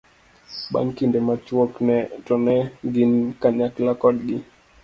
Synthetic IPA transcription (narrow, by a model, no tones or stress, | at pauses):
ɓa̰ŋkindɛmat͡ʃuɔknɛtɔnɛɡinkaɲaklakɔɗɡi